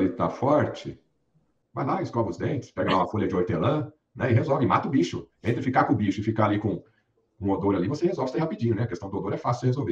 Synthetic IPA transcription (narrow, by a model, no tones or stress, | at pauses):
lɪt̪afɔɾt͡ʃɪ | vajlaɪskɔvɪʊzd̪ẽnt͡ʃɪ̥spɛɡɐlaũmɐfolʎɐd͡ʒɪoɾt̪elɐ̃ | nɛɪɦezɔvɪma̰t̪ɐʊbiʃʊ̰ẽnt̪ɾɪfikakõʊbiʃʊɪfikaalikõ | kõod̪oɾalivosehezɔwvɪsẽhapid͡ʒĩɲʊnɛɐkest̪ɐ̃d̪od̪oɾɛfasɪwdɪhezowve